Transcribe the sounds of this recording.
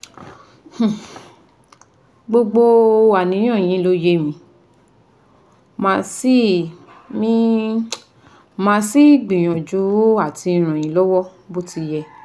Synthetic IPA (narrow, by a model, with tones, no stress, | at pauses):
h̩˦˨ | ɡ͡bo˧ɡ͡bo˧wa˨nĩ˨˧˦j̃ɔ̃˦˨j̃ĩ˨˦lo˦je˦mĩ˧˦ | mã˧si˦ | mĩ˦ | mã˧˦si˦˨ɡ͡bĩ˨j̃ɔ̃˨d͡ʒu˨˦a˦˨ti˧ĩ˧ɾ̃ã˨j̃ĩ˨˦lɔ˦wɔ˦ | bo˦ti˧jɛ˧